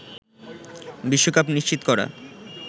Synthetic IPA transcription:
biʃːokapniʃt͡ɕit̪o̥kɔɾa̰

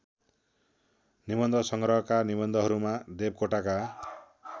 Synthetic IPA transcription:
nibʌnd̪ʱʌsʌŋɡɾʌɦʌkanibʌnd̪ʱʌɦʌɾumad̪eb̚koʈaka

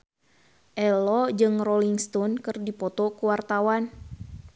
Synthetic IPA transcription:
ʔɛlɔd͡ʒɨŋrɔliŋst̪ɔnkɨrdipɔt̪ɔkuwart̪awan

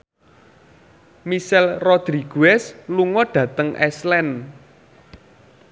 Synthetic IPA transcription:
misɛlrɔd̪̥ɾiɡ̥ṳɛsluŋɔɖ̥ä̤t̪əŋɛslɛn

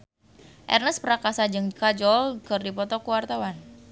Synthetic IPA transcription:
ʔɛ̰rnəspəɾakasad͡ʒɨŋkad͡ʒɔlkərdipɔt̪ɔkuwart̪awan

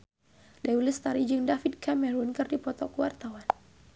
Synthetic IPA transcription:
daulɪst̪aɾid͡ʒɨŋdafit̪̚kamɛɾunkɨrdipɔt̪ɔkuwart̪awan

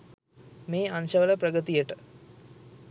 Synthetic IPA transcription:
meːanʃəʋələpɾəɡət̪ijəʈə

